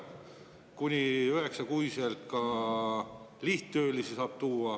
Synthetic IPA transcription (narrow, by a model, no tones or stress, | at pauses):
kunʲiyɦe̞ksɑkuiselt̪kɑ | liht̪t̪øːlisisɑːb̥̚t̪uːɑ